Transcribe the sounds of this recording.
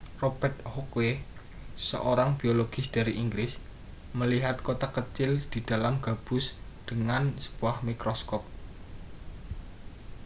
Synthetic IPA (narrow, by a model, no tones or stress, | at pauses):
rob̥ɛrt̪̚hokwe | sə̰ʔoɾaŋb̥ioloɡ̥ɪsd̪̥a̤ɾiʔiŋɡɾɪs | məliɦat̪̚kot̪akət͡ʃɪld̪̥i̤d̪̥a̤lamɡ̥a̤b̥ʊ̤sd̪̥əŋansə̥b̥uahmikɾoskɔp̚